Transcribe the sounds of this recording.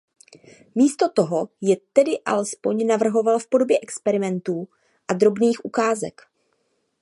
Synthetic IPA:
miːst̪o̞t̪o̞ɦo̞jɛt̪ɛdɪʔa̰lɛspo̞ɲnavr̩ɦo̞valfpo̞do̞bjɛʔɛkspɛɾɪmɛnt̪uː | ʔad̪ɾo̞bniːxʔukaːzɛ̰k

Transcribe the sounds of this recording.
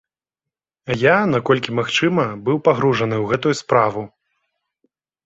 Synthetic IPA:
ajanakɔlʲkʲimaxt͡ʂɨmɐbɨwpaɣɾuʐɐnɨwɣɛt̪ujuspɾavu

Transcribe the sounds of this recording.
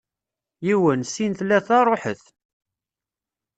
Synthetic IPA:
jiwənsint̪læθɑrˤoħəθ

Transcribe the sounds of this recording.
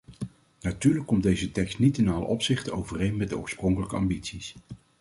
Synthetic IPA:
natyːɹləkːɔmdejzətɛkstnitɪnaːlə̰ʔɔpsɪχtəowvərejnmɛt̚dəɔ̰ːɹsprɔŋkələkəɑ̰mbitsis

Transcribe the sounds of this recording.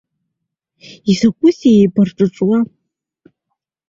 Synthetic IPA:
izakʷʼʊsejbarʈ͡ʂʼɨʈ͡ʂʷʼwa

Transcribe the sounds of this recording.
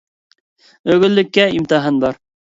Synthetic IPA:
ɵ̆ɡɵ̆lːɘ̆kːæimt̪ɤɦɤnbɑɾ

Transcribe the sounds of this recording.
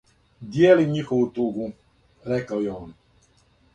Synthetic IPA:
d̪jeːliɲixoʋut̪uɡu | ɾɛkawjɛɔn

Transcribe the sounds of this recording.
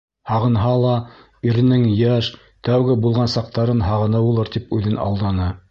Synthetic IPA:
hɑʁɤ̆nɦɑlˠɑ | iɾɘ̆nɘŋjæʃ | t̪æwɡɘbulˠʁɑnsɑq̚t̪ɑɾɤnɦɑʁɤ̆nɤwulˠɤɾt̪ipʉðɘnɑ̰lˠd̪ɑnɤ

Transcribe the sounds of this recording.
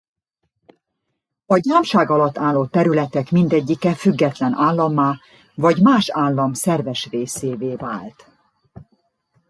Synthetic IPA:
ɒɟaːmʃaːɡɒlɒt̪ːaːlːoːt̪ːɛɾylɛt̪ɛkmind̪ɛɟːikɛfyɡːɛt̪lɛnaːlːɒmːaː | vɒɟmaːʃaːlːɒmsɛrvɛʃveːseːveːva̰ːlt̪

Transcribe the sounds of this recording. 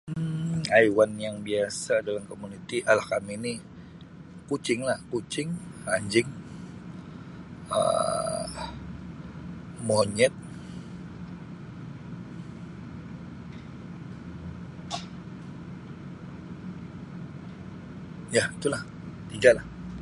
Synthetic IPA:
ajwanjaŋbiasadalamkomunit̪iʔalakamini | kut͡ʃɪŋlahkut͡ʃɪŋhaɲd͡ʒɪŋ | ə̰ | moɲɛt̪̚ | jait̪ulah | t̪iɡalah

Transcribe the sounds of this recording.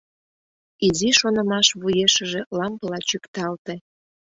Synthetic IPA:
iziʃonəmɑʃβujeʃə̆ʒelɑmpəlɑt͡ɕykt̪ɑlt̪ĕ

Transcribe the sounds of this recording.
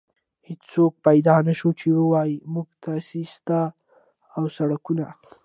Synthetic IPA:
het͡ʃsok̚pajd̪ɑnaʃot͡ʃewəwɑjimuɡt̪ʰasist̪a | awsaɽakunal

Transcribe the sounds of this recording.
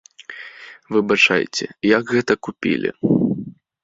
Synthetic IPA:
vɨbat͡ʂa̰jt͡sʲɛ̰jɐɡɣɛt̪ɐkupʲḭlʲḭ

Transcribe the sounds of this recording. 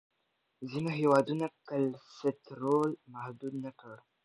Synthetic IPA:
zinaɦewad̪unakəlset̪ɾolmahd̪ud̪̚nakəɾ

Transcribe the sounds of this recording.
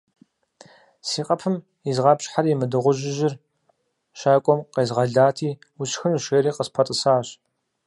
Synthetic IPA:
siːqʼɐpʰɨm | izʁɑpɕħarimɨdɨʁʷʊʒɪʒɪr | ʃaːkʷʼɔmqeːzʁɐɮaːtʰiː | ʊɕxɨnuʃʷeːɾiːqəspʰɐtʼɨsaːɕ

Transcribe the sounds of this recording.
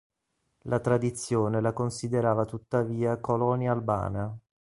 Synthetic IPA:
lʔat̪ɾad̪it̪sːjoːnelakonsid̪eɾaːvat̪ut̪ːaviːakolɔnjaːlba̰ːna

